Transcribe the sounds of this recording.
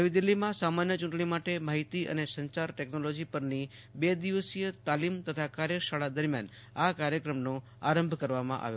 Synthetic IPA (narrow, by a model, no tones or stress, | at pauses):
əʋid̪ilːimãsamanjət͡ʃũɳʈɳimaʈemaɦit̪iʔə̰nesəɲt͡ʃaɾʈeknolod͡ʒipəɾni | bed̪iʋəsijət̪alimt̪ət̪ʰakaɾjəʃaɭad̪əɾmja̰n | akaɾjəkɾəmno | a̰ɾəmbʱkəɾʋamã̰ʔa̰ʋjo